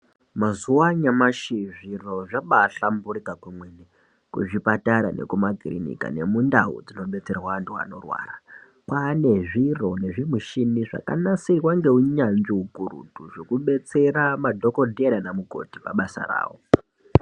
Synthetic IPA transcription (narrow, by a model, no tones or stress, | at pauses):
mazuwaɲamaʃiʐiro̞ʐaɓaːɬamburikakwemwene | kuʐipataɾane̞̰kumaɡʱirḭnḭka̰ne̞mundaṵd͡zino̞ɓe̞t͡se̞rwaantʰua̰no̞̰rwa̰ːra | kwane̞ʐiro̞ne̞ʐimuʃiniʐa̰ka̰nasikwaŋɡe̞uɲand͡ʒiɦuɡʱuɾṵdʱuʐo̞kuɓe̞t͡se̞ramadʱo̞ko̞dʱeɾanamuko̞̰ti̥pa̰ɓasa̰ra̰ːwo̰